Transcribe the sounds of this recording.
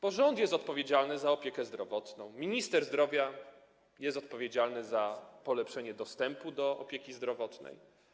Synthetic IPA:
pɔʐɔnt̪jɛst̪ɔt̪̚pɔvʲjed͡ʑalnɘzaɔpʲjɛkɛzd̪ɾɔvɔt̪nɔ̃w̃mʲiɲist̪ɛɾzd̪ɾɔvʲja | jɛst̪ɔt̪̚pɔvʲjed͡ʑalnɘzapɔlɛpʂɛɲɛd̪ɔst̪ɛmpud̪ɔɔ̰pʲjɛkʲizd̪ɾɔvɔt̪nɛ̰j

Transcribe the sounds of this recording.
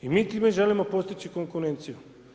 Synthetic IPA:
imiːt̪imeʒelimopost̪it͡ʃikoŋkuɾent̪siju

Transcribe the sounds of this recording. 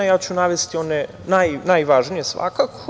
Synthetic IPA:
jaːt͡ɕunaʋest̪io̞ne | najnajʋaːʒnijesʋa̰kako

